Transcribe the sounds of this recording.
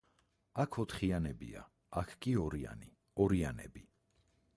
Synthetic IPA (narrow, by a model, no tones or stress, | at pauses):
akʰɔt̪ʰχianɛbḭa̰ | akʰkʼiɔɾia̰ni | ɔɾianɛ̰bi